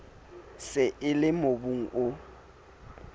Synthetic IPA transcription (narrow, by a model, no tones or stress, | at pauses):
sɪʔɪlɪmobuŋ̩ʔʊ